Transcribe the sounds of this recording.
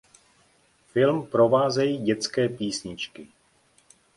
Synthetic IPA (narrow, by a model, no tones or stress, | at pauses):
fɪlmpɾo̞vaːzɛjiːɟɛt͡skɛːpiːsɲɪt͡ʃkɪ